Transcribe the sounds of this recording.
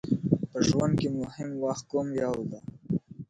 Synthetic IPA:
pəʒwand̪̚kemʊhɪmwaxt̪̚komjɑwd̪a

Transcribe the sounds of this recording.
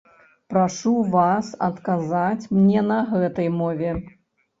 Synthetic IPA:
pɾaʂuvasɐ̰t̪kazat͡sʲmnʲɛnɐɣɛt̪ɐjmɔvʲɛ

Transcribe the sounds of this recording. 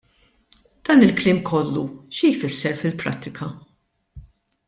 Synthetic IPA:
d̪̥ɐːnɪlklɪːmkʰɔlːuʃijfɪsːɛɾfɪlpɾɐ̰t̪ːɪkʰɐ

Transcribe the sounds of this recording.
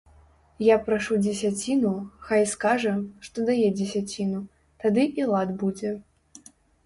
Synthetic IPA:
japɾaʂud͡zʲɛsʲat͡sʲinuxajskaʐɐʂt̪ɔd̪ajɛd͡zʲɛsʲat͡sʲinu | t̪ad̪ɨʔilˠad̪bud͡zʲɛ

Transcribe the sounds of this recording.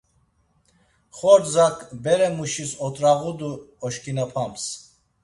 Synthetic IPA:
χɔɾzakʰʼbɛɾɛmuʃisɔt̪ʼɾaʁud̪uɔʃkʰʼinapʰams

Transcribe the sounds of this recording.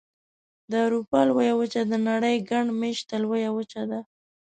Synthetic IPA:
d̪əawɾupɑlwajawət͡ʃad̪ənaɽəjɡaɳɖmeʃt̪alwajawət͡ʃad̪a

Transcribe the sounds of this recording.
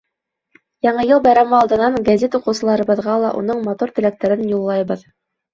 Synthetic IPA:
jɑɴɤjɤlˠbɑjɾɑmɑɑlˠd̪ɤ̆nɑɴɡazʲet̪uqɤ̆wsɤ̆lˠɑɾɤ̆βɤ̆ðʁɑlˠɑʔṵnɤɴmɑt̪uɾt̪ɘ̆læk̚t̪æɾɘnjulˠːɑjβɤð

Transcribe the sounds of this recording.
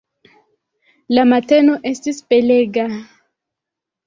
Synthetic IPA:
lamateno̞ʔe̞stispeleɡa

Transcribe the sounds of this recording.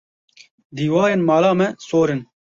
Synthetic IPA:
d̪iːwɑːjeːnmɑːlɑːmɛsoːɾɨn

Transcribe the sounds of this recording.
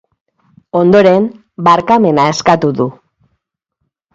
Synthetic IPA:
o̞nd̪o̞ɾe̞m | baɾkame̞nae̞skat̪uðu

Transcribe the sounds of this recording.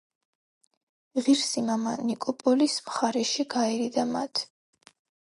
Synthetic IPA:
ʁiɾsimamanikʼɔpʼɔlismχaɾɛʃiɡaiɾid̪ama̰t̪ʰ

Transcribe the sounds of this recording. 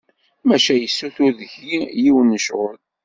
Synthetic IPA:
mæʃæjəsːuθuðəʝijiwənːəʃʁəl

